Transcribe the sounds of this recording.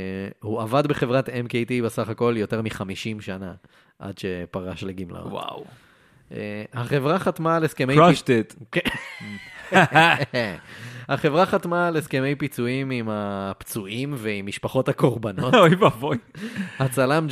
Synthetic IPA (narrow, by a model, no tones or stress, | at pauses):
huavad̪be̞χe̞vʁatemkejtibesaχako̞ljo̞te̞ʁmiχamiʃimʃana | ʔa̰dʃepaʁaʃleɡimla̰o̰wa̰w | ḛhaχe̞vʁaχatmaleskemejʃtetk | haχe̞vʁaχat̪maleske̞mejpit͡suimimapt͡suimveimːiʃpaχo̞thako̞ʁbano̞tojvavojhat͡salam